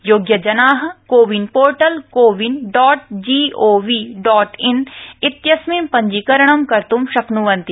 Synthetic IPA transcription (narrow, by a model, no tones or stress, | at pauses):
joːɡjɐd͡ʒɐnaːɦɐkoːʋinpoːɾʈɐlkoːʋinɖɔːʈd͡ʒiːoːʋiːɖɔːʈɪnɪt̪jɐsmimpɐ̃ɲd͡ʒikɐɾɐɳɐmkɐɾt̪umʃɐknuʋɐ̃nt̪i